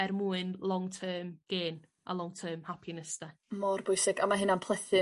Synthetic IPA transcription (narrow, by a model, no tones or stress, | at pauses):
ɛrmuːɨnlˠɔŋtʰɜːmɡ̥eːn | a̰lˠɔŋtʰəːmhapʰjɪnəstɛmɔrbʊjsɪɡamaɦɨnanpʰlˠɛθɪ